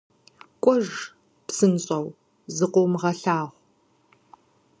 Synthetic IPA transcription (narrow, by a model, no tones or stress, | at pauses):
kʷʼɔʒ | psɨnɕʼɐw | zɨqʷowmʁɐɬaːʁʷ